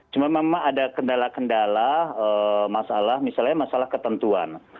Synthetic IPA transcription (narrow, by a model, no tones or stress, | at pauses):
t͡ʃumamamaŋadakəndalakəndalaəmasalahmisalɲamasalahkət̪ənt̪ua̰n